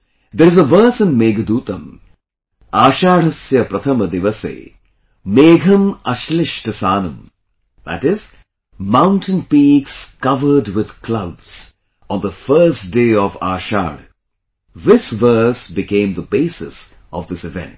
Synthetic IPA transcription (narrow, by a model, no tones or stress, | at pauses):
d̪əɾɪzəʋəːsɪ̃nmeːɡɐd̪uːt̪ɐ̃m | aːʃaːɽɐsjɐpɾɐt̪ʰɐmɐd̪ɪʋɐsḛː | meːɡʱɐmɐʃlɪʃʈɐsaːnɐ̃m | d̪æ̰ʈɪz̥ | mãʊ̃nʈə̃npiːkskɐʋə˞ɖwɪd̪klabs | ɔ̃nðəfɜːsdeːɔʋa̰ːʃa̰ːɽ | ðɪsʋəɾsbɪkẽɪ̃md̪əbeːsɪ̰s | ʔɔʋd̪ɪsɪʋɛ̰̃nʈ